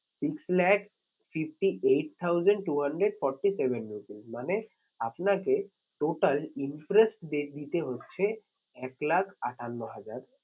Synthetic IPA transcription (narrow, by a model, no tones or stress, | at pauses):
sikslɛk | fʰifʈiʔejʈ̚t̪ʰawd͡ʑəɳɖʈuɦəɳɖɾeɖfɔɾʈisebenmupilmane | apnake | ʈoʈalinpɾesʈd̪ed̪it̪eɦotːɕʰe | ɛklakʰaʈʰanːoɦad͡ʑaɾ